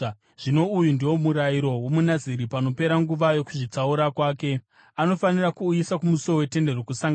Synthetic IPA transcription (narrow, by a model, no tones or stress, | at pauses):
ʐ̥ino̞ujundiwo̞muɾajiɾo̞womunaziɾipano̞pe̞ɾaŋɡuʋajo̞kuʐit͡sauɾakwaːke̞ | ano̞fanirakuisakumusoowe̞te̞nde̞rokusaŋɡa